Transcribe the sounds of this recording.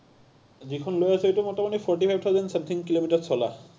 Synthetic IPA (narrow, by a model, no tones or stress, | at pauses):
d͡ʑikʰɔnlojasʰejtumɔtamanipʰɔɹʈipʰajb̚t̪ʰawzensemt̪ʰiŋkilomiʈasʰɔla̰